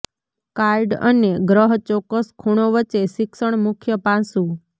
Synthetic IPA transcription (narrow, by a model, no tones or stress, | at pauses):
kaɾɖə̰neɡɾəɦt͡ʃɔkːəskʰuɳ̃oʋət͡ʃeʃɪksəɳ̃mʊkʰjəpãsũ